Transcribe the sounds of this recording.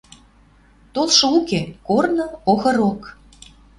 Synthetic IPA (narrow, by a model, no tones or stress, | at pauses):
t̪olʃŏukekornɤoɣɤ̆ɾok